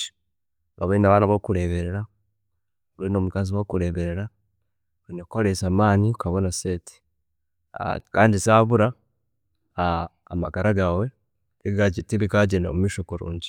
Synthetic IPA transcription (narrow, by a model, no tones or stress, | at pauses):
ɡaβenaβaːnaβokuɾeβeɾeɾa | oβenoːmukaziwokuɾe̞βeɾeɾa | ɾinekoɾesaːmaːniukaβonaseti̥ | a̰kaːndisaːβuɾa | maɡaɾaɡawe̞ | iɡaɟitiβiɡaɟenemumiʃokoɾṵːɲɟi